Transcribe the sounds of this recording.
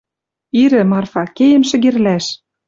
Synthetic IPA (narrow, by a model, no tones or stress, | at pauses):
iɾɘ̆mɑrfɑkejə̆mʃɘ̆ɣerlæʃ